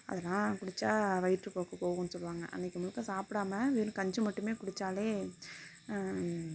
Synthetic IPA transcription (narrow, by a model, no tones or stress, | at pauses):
ɐ̰ðɐlːãːkʊɽɪt͡ʃːaːʋɐɪʈɾɯpoːkːɐpoːɣɯ̃nːɯsɔlʋaːŋɡɐ̰ʔɐ̰nːɪkːɯmʊlɯkːɐ̃ːsaːpɪɽaːmɐʋeːɾɯ̃kɐɲd͡ʒɯmɐʈːɯmeːkʊɽɪt͡ʃːaːleː